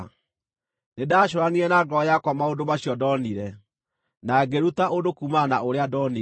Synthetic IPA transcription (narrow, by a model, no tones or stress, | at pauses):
nedaːɕ̬oɾaniɛnaɡɔjakwamaondomaɕjɔdɔniɾɛ | naɡeɾutaʔodokumanaoɾeadɔni